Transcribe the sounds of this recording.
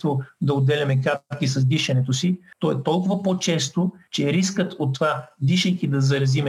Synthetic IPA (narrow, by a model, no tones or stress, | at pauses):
vod̪ɐod̪ːɛlʲɐmɛkat̪kisɐzd̪iʃɐnɛt̪osit̪ɔɛt̪ɔlˠkʊvɐpot͡ʃɛst̪ot͡ʃɛɾiskət̪ot̪ːvad̪iʃəjkid̪ɐzɐɾɐzimɛ